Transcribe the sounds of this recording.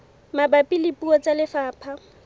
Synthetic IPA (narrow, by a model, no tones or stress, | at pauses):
mabapʼilɪpʼuɔt͡sʼalɪfaːpʰa